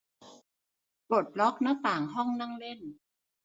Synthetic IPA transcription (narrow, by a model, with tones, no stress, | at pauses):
bo˨˩t̪̚lɔ˦˥k̚naː˦˥t̪aː˨˩ŋɦɔ˥˩ŋna˥˩ŋle˥˩n